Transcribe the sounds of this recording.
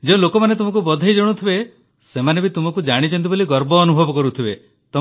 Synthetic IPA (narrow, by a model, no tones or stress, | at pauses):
d͡ʒeũlokɔmanet̪umɔkubɔd̪ʱajd͡ʒɔɽ̃ut̪ʰibe | semanebit̪umɔkud͡ʒaɽ̃it͡ʃɔnt̪̬iboliɡɔɾbɔːnubʱɔbɔkɔɾut̪ʰibe | t̪ɔ